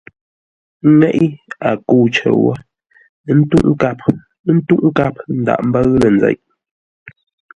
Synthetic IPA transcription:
ŋɛ˦ʔi˦a˨ku˦˨t͡ʃə̰˨wə̰˦˨ | n̩˦tu˦ʔŋ˦ka˦p̚ | n̩˦tu˦ʔŋ̩˦ka˦p̚n̩˦da̰˨ʔm̩˦bə˦ɣlə˨nd͡za̰˨jʔ

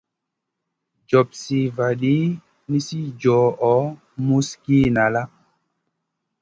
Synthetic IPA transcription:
d͡ʒɔ˨psi˨va˨ɗi˦ | ni˦si˦d͡ʒɔ˨ɔ˨˦ | mu˦ski˦na˨la˦

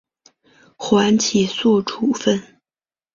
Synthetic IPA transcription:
xwa˧˥nt͡ɕʰi˨˩swɔ˥˩ʈ͡ʂʰu˨˩fə˥˩n

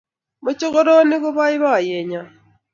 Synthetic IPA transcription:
mu˦t͡ʃi˦ɣo˦ɾo˦ni˦ɣu˦βa˦i˦βa˦˨je˨ɲa˨

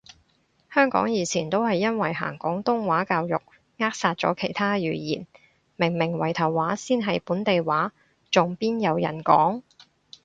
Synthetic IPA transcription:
hœː˥ŋkɔ̰ː˨˥ŋjiː˨˧t͡sʰiː˨˩nt̪o˥whɐ˨jːɐ˥nwɐ˨jɦa̰ː˨˩ŋkɔː˨˥ŋt̪ʊ˥ŋwaː˨˥kaː˧wjʊ˨k̚ | ŋaː˥k̚saː˧t̚t͡ʃɔ̰ː˨˥kʰe˨˩jt̪ʰaː˥jyː˨˩jḭː˨˩n | mɪ˨˩ŋmɪ˨˩ŋwɐ˨˩jt̪ʰɐ˨˩wːaː˨˥siː˥nɦɐ˨jpuː˨˥nt̪e˨jwaː˨˥ | t͡sʊ˨ŋpiː˥njɐ˨˧wjɐ̰˨˩nkɔ̰ː˨˥ŋ

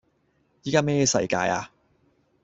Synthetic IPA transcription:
jiː˨˥kaː˥mɛː˥˧sɐ̰˧jka̰ː˧ja̰ː˧

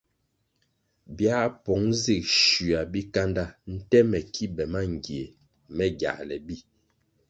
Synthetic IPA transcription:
bja˦pɔ˨˦ŋzi˦˨k̚ʃu˨a˨bi˦ka˦nda˦n̩˦tɛ˦mɛ˨kʰi˦bɛ˨ma˦ŋ˨ɡje˨ | mɛ˦ɡja̰˨lɛ˨bi˦˨

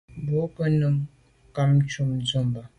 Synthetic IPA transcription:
bo˨˦pə˦nə˦m | ka˦m˦t͡ʃu˦˨md͡zo˦˨mba˨

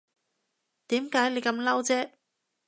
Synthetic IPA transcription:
t̪iː˨˥mkaː˨˥jle˨˧jkɐ˨˧˥mlɐ˥wt͡sɛː˥

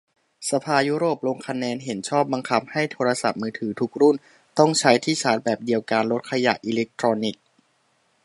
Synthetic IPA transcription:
sa˧pʰaː˧juː˦˥ɾoː˨˩p̚lo˧ŋkʰa˧nɛː˧nɦe˩˦nt͡ɕʰɔː˥˩p̚ba˧ŋkʰa˦˥p̚ha˥˩jt̪ʰoː˧ɾa˧sa̰˨˩p̚mɯː˧t̪ʰɯː˩˦t̪ʰu˨˩k̚ɾu˥˩n | t̪ɔ˥˩ŋt͡ɕʰa˦˥jt̪ʰiː˥˩sʰaː˩˦˥t̪̚bɛː˨˩p̚di˧əwka˧nlo˦˥t̪̚kʰa˧ja̰˨˩ʔi˧le˦˥k̚t̪ʰɾɔː˧ni˨˩k̚

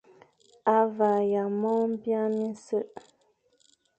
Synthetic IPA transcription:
a˦va˨ja˨mɔ˦m̩˦bja˦mi˦n˦sə˦ʔ

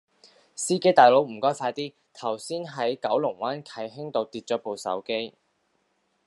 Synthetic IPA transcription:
siː˥ke˥jt̪aː˨˩jlo˨˥wm̩˨˩kɔː˥jfaː˧jt̪iː˥ | t̪ʰɐ˨˩wsiː˥nɦɐ˨˥jkɐ˨˥wlʊ˨˩ŋwaː˨˥nkʰɐ˨˩jɦɪ˥ŋt̪o˧wt̪iː˧t̚t͡ʃɔː˨˥po˨˧wsɐ̰˨˥wke˥j

